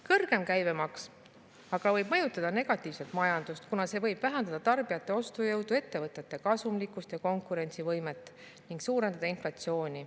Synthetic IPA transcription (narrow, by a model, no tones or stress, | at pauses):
kɤrɡ̥e̞mkæjve̞mɑks | ɑɡ̥ɑvɤjb̥̚mɤ̞jut̪ːˑɑd̪ɑne̞ɡ̥ɑt̪ːˑiːvse̞lt̪mɑjɑnd̪ust̪kunɑse̞ːvɤ̞jb̥væɦɛnd̪ɑd̪̥ɑt̪ɑrbijɑt̪ːˑe̞o̞st̪ujɤwd̪ue̞t̪ːe̞vɤt̪ːˑet̪ːˑe̞kɑsumlikːˑust̪jɑko̞ŋkuɾe̞nʲt̪sivɤjme̞t̪ːˑ | niŋɡksuːɾe̞nd̪ɑd̪ɑinflɑt̪sijo̞ːnʲi